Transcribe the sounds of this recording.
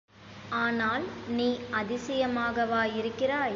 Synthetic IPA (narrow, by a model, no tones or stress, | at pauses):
aːnaːlniːɐðɪsɪjɐmaːɣɐʋaːjɪɾɯkːɪraː